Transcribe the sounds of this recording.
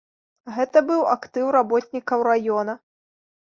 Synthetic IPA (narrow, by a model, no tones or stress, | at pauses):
ɣɛt̪ɐbɨwa̰kt̪ɨwrabɔt̪ʲnʲikɐwɾajɔnɐ